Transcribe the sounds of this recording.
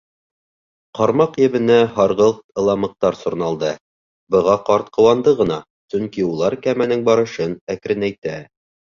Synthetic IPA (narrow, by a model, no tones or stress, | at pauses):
qɒɾmɑqjɘ̆βɘ̆næhɑɾʁɤlˠɤ̆lˠɑmɤ̆q̚t̪ɑɾsŏɾnɑlˠd̪ɤ | bɤ̆ʁɑqɑɾt̪qɤ̆wɑnd̪ɤʁɤ̆nɑ | sɵŋkiulˠɑɾkæmænɘŋbɑɾɤ̆ʃɤnækɾɘnæjt̪æ